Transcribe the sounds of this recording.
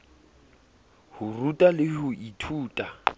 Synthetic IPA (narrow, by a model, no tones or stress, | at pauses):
hʊrutʼalɪɦʊʔitʰuːtʼa